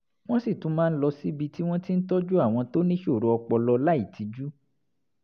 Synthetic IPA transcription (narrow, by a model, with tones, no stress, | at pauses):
w̃ɔ̃˦si˦˨tũ˨˦mãː˦˧n̩˦lɔ˧si˦bi˧ti˦w̃ɔ̃˦ti˦n̩˦tɔ˦d͡ʒu˦a˦˨w̃ɔ̃˧to˦nĩ˦ʃo˦˨ɾo˨˧ɔ˧k͡pɔ˧lɔ˧la˦i˦˨ti˨˦d͡ʒu˦